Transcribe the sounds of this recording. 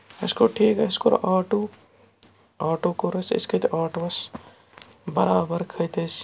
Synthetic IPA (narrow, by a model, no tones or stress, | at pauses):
ɪskoʈʰiːkɐskoɾ̰ʔaːʈoː | aːʈoːkoɾɐsɪ̰skɐt̪ʔaːʈoːɐs | bɐɾaːbəɾkʰɐjt̪ʰɐs